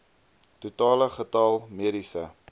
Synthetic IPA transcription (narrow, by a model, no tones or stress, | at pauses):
tutɑːləχətɑlˠmiəɾisə̰